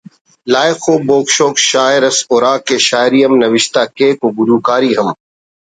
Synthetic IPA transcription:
laːjxoːboːkʃoːkʃaːɪɾɐsoːɾaːkeʃaːɪɾijɐmnɐʋɪʃt̪aːkeːkoɡʊɾuːkaːɾiːɦɐm

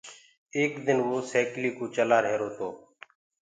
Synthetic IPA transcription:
eːkd̪ɪnʋoːsɛːkliːkoːt͡ʃəlaːɾɦeːɾoːt̪oː

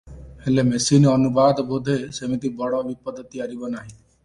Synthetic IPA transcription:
helemesinɔnubad̪bod̪ʱesemit̪ibɔɽɔʋipɔd̪ʱət̪iaɾibɔnaɦĩ

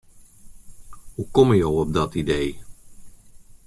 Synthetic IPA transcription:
ɦukɔməjowɔb̚dɑtidej

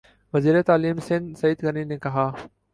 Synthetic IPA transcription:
ʋɐziːɾet̪aːliːmsɪ̃nd̪sɐid̪ɡɐninẽkɐɦaː

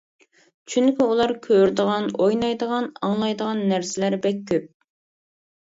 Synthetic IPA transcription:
t͡ʃʰyŋkʲiulˠɑɾkʲʰøɾd̪əʁɑnojnɑjd̪əʁɑnɑŋlˠɑjd̪əʁɑnːæɾsɪlæɾbɛkʲʰːøp̚

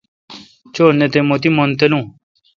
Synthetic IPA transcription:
t͡ʃoːnet̪emot̪imont̪elũː

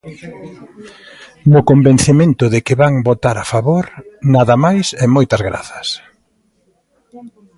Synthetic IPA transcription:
nʊkomben̟θemẽnt̪ʊðɪkɪβaŋbot̪aɾafaβoɾnaðɐmajsɛmojt̪ɐzɣɾa̰θɐ̥s

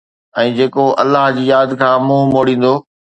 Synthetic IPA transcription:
ɛ̃ːd͡ʑeːkoʔɐlːaɦd͡ʑiːjaːd̪kʰãːmũːmoːɽĩːn̆d̪oː

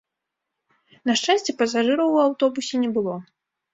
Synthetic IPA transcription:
nɐʂt͡ʂasʲt͡sʲɛpɐs̬aʐɨɾɐwawt̪ɔbusʲɛnʲɛbɨlˠɔ

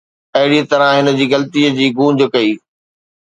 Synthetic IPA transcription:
ɐɦɪɽit̪ɐɾãɦɪnəd͡ʑiːɣɐlt̪iːəd͡ʑiːɡũːd͡ʑkɐiː

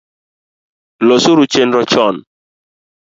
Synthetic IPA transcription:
lɔsuɾut͡ʃenɾɔt͡ʃɔn

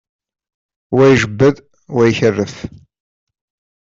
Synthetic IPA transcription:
wæjʒəbːəð | wæjçərːəf

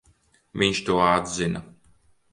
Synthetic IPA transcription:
vʲiɲʃt̪uɔad̪zina

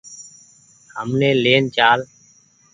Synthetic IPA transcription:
həmnẽːleːnt͡ʃaːl

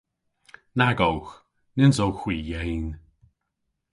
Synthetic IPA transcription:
naɡowx | nɪnzowxwiːjejn

